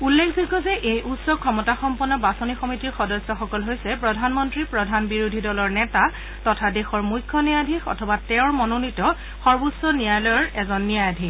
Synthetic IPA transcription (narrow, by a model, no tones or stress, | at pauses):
ulːekʰzikɔzɛʔejʔutsɔkʰɔmɔtaxɔmpɔnːɔbasɔnixɔmitiɹxɔdɔsɔxɔkɔlɦojsɛpɹɔdʱanmɔntɹipɹɔdʱanbiɹudʱidɔlɔɹnɛta | tɔtʰadexɔɹmujkʰːɔnijadʱixɔ̰tʰɔbatɛʊ̃ɹmɔnonitɔ | xɔɹbusɔnijajlɔjɹɛzɔnːijajadʱi